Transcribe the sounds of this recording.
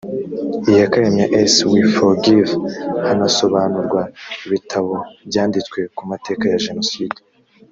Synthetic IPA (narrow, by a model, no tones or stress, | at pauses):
ijakaɾe̞mɲaʔeswifoɾɡivhanaso̞βaːnuɾɡwaiβitʰaβo̞bjaːndit͡skwe̞kumate̞ːkajaʒe̞no̞siːde